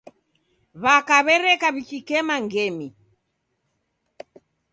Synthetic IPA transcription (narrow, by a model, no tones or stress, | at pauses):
βakaβɛɾɛkaβikikɛmaŋɡɛmi